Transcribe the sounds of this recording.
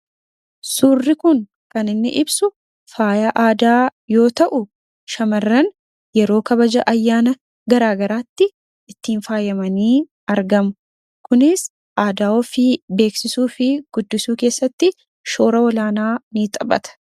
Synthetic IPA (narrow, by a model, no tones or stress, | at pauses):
suːrːɪkʊŋ | kɐnɪnːɪ̰ʔɪbsʊ | faːjaʔaːd̪aːjo̞ːt̪ɐʔʊ | ʃɐmɐrːɐn | jɛɾo̞ːkɐbɐd͡ʒɐʔɐjːaːnɐ | ɡɐɾaːɡɐɾaːt̪ːɪ | ɪt̪ːiːnfaːjɐmɐniː | ɐɾɡɐmʊ | kʊnɪs | ʔaːd̪aːɔfɪbe̞ːksɪsuːfɪɡ̥ʊd̪ːɪsuːke̞ːsːɐt̪ːɪ | ʃo̞ːɾɐwɔlaːnaːniːt̪ʼɐbɐ̰t̪ɐ̥